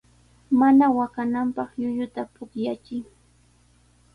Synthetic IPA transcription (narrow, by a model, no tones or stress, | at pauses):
manawakanampɑχjʊʎʊt̪apʊkjat͡ʃɪŋ